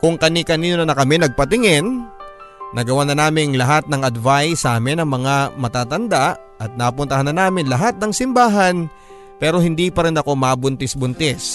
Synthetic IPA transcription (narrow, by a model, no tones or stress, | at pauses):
kʊŋkɐnikɐniːnonɐnɐkɐmɛnɐɡ̚pɐt̪ɪŋɛn | nʔɐɡɐwanɐnaːmɪŋlɐɦat̪̚nɐŋɐd̪vajsaːmɪnɐŋmɐŋamɐt̪aːt̪ɐnd̪aʔ | ɐt̪̚napʊnt̪ɐhanːɐnaːmɪnlɐɦat̪̚nɐŋsɪmbaːɦɐn | pɛːɾo̞hɪnd̪iːpɐɾɪnɐko̞mabʊnt̪ɪsbʊnt̪ɛs